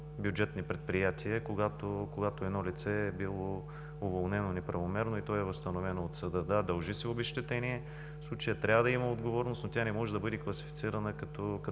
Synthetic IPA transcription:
bjud͡ʒɛt̪nipɾɛt̪̚pɾijat̪ʰiəkoɡat̪okoɡat̪oɛd̪nɔlit̪sɛːbilˠo | ʊvolˠnɛnonɛpɾɐvomɛɾnoit̪ɔjɛvɐst̪ɐnovɛnoːt̪sɐd̪əd̪ad̪ɐlˠʒisɛobɛʃt̪ɛt̪ɛniɛ | fslˠut͡ʃəjət̪ɾʲavəd̪ɐiməod̪ɡovɔɾnosnot̪ʲanɛmɔʒɛd̪ɐbɤd̪iklˠɐsi̥fit̪siɾɐnəkɐt̪ɔkɐ

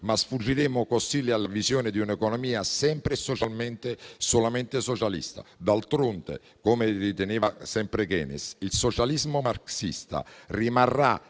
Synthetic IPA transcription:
masfud͡ʒːiɾemʊkosilːialːavizjoːnɪd̪iunɛkɔnɔmiːasɛmpɾɪsot͡ʃalment̪esolament̪esɔt͡ʃalḭst̪a̰d̪alt̪ɾont̪ḛ | komerit̪eneːvasɛmpɾeɡɛ̰ːnɪ̰silsɔt͡ʃalizmomaɾksḭst̪a̰rimarːa̰

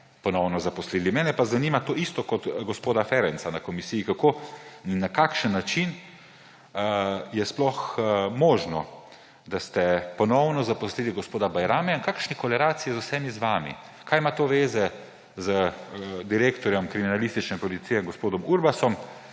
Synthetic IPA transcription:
pɔnɔwnɔzapɔsliːlimɛːnɛpazanimat̪oːist̪ɔkɔt̪ɡɔspoːd̪afɛɾɛnt̪sanakɔmisijikakoːnːakaːkʃənːat͡ʃin | jɛsplɔxmoːʒnɔ | d̪ast̪ɛpɔnɔwnɔzapɔsliliɡɔspoːd̪abajɾaːmɛjankakʃnikɔlɛɾaːt̪sijizʊwsɛmizʋaːmḭ | kʰaːjmat̪oːʋeːzɛ | zəd̪iɾeːkt̪ɔɾjɔmkɾiminalist̪it͡ʃnɛpɔlit̪sijɛŋɡospoːd̪ɔmuɾbasɔm

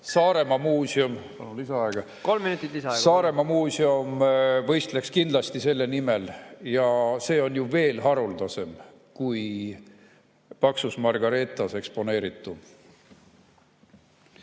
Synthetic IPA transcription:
sɑːɾe̞mɑmuːsʲiompɑnunisɑɑeɡ̥ɑ | ko̞lmːinut̪ːˑit̪ːiseɑɡsɑːɾe̞mɑmuːsiomvɤ̞jst̪le̞kskind̪̥lɑst̪ise̞lːenime̞ljɑse̞ːo̞njuve̞ːlɦɑɾuld̪ɑse̞m | kuj | pɑksusmɑrɡ̥ɑɾe̞t̪ˑːɑse̞kspo̞ne̞ːɾit̪ːˑu

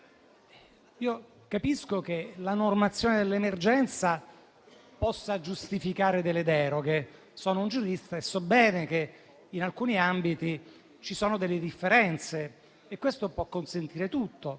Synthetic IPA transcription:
iːo | kapiskok̟elanormat̪sːjoːned̪elːemerd͡ʒɛnt̪sa | pɔsːad͡ʒust̪ifikaːɾed̪elːed̪ɛːɾoɡe | soːnound͡ʒuɾist̪aesːɔbːɛːnekeː | nalkuːniambit̪i | t͡ʃisoːnod̪elːed̪ifːeɾɛnt̪seː | kːwest̪opwɔkːonsent̪iːɾet̪ut̪ːo

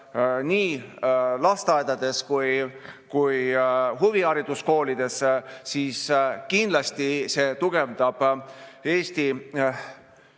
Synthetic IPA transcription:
niː | lɑst̪ɑed̪̥ɑd̪e̞skujkujɦuviɑɾid̪̥usko̞ːlid̪̥e̞ssiːskind̪lɑst̪ise̞ːt̪uɡ̥e̞vd̪̥ɑb̥e̞ːst̪i

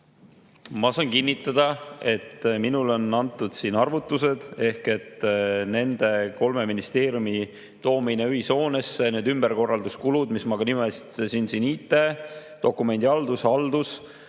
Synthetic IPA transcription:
mɑsɑːnkinːit̪ːˑɑd̪̥ɑe̞t̪ːminulo̞nɑnt̪ːˑud̪̥siːnɑrvut̪ˑːuse̞d̪̥e̞hke̞t̪ːne̞nd̪̥e̞ko̞lme̞minist̪e̞ːɾjumi | t̪o̞ːmineyɦiso̞ːne̞sːeneːd̪ymb̥erko̞rːɑld̪uskulud̪̥mismɑɡ̥ɑnimesi̥t̪esinsinit̪ːˑe̞t̪o̞kːˑume̞nʲd̪iɑld̪usɑld̪us

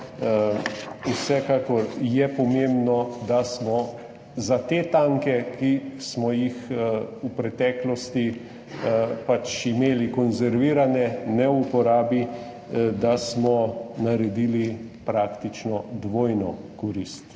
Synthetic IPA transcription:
usɛkakɔɾjɛpɔmembnɔd̪asmɔ | zat̪eːt̪aŋkɛkismɔjixupɾɛt̪ɛklɔst̪i | pat͡ʃimeːlikɔnzɛɾʋiːɾanɛnɛupɔɾaːbi | d̪asmɔnaɾɛd̪iːli | pɾakt̪it͡ʃnɔd̪ʋoːjnɔkɔɾist̪

